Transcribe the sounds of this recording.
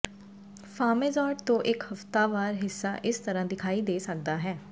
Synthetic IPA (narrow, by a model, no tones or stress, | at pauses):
fʰaːmeːzaːʈt̪õːʔɪkhəft̪aːʋaːɾɦɪsːa̰ːʔɪst̪əɾãːd̪ɪkʰaːiːd̪eːsək̚d̪aːɦɛː